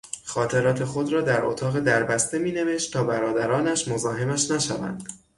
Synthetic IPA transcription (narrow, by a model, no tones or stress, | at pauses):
xɒːt̪ʰe̞ɾɒːt̪ʰe̞xo̞d̪ɾɒːd̪æɾʔo̰t̪ʰɒːɣe̞d̪æɾbæst̪e̞miːne̞ve̞ʃt̪t̪ʰːɒːbæɾɒːd̪æɾɒːnæʃmozɒːɦe̞mæʃnæʃævæ̰nd̪̥